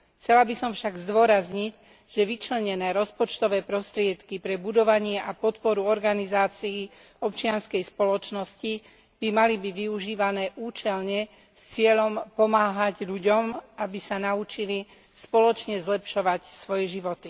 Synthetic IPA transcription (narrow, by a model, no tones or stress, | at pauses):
xt͡sɛlabisɔmfʃaɡzd̪ʋɔɾazɲic | ʒ̥ɛʋit͡ʃlɛɲɛnɛːɾɔspɔt͡ʃt̪ɔʋɛːpɾɔst̪ɾɪɛt̪kipɾɛbud̪ɔʋaɲɪɛʔapɔt̪pɔɾuɔɾɡanizaːt͡sii | ɔpt͡ʃɪanskɛjspɔlɔt͡ʃnɔsci | b̥imalibiɟʋiuʒiːʋanɛːʔuːt͡ʃɛlɲɛ | st͡sɪɛʎɔmpɔmaːɦaɟʎuɟɔmʔabisanaut͡ʃili | spɔlɔt͡ʃɲɛzlɛpʃɔʋacsʋɔjɛʒiʋɔt̪i